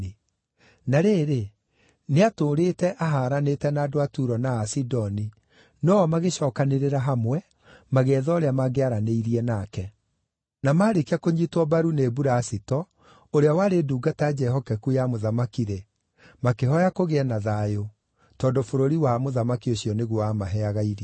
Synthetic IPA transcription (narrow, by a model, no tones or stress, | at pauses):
i | naɾeːɾe | neatoːɾetɛʔaɦaːɾanetɛnaːdoatuɾɔnaːsidɔni | nɔːmaɣeɕɔːkaneɾeɾaɦamwɛ | maɣɛːðɔɾeamaɣeaɾaneiɾiɛnaːkɛ | namaːɾekiakoɲitwɔbaɾunebuɾaːsitɔ | oɾeawaɾeduːɡatad͡ʒɛɦɔkɛkujamoðamakiɾe | makeɦɔjakoɣeɛnaðajo | tɔːndofoɾoɾiwamoðamakioɕiɔneɣwamaɦɛaɣaiɾi